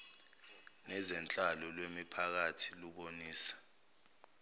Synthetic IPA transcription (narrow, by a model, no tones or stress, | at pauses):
nɛzɛnt͡ɬʼalɔlwemipʰak̬atʰi̥luɓoniːsḁ